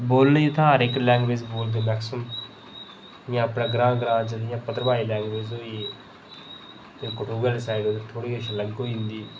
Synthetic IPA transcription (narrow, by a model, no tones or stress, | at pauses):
boːlnəit̪ʰãːɾɪklɛ̃ːŋɡʋeːd͡ʒboːld̪eːmɛːksəm | jãːəpnãːɡɾãːɡɾãːd͡ʒəd̪jãːpət̪ɾəbaːiːlɛːŋɡʋeːd͡ʒoːiː | t̪ẽːkʊʈuːɡəlsaːiɖoːt̪et̪ʰoːɽiːɡəʃləɡoːɪ̃nd̪iː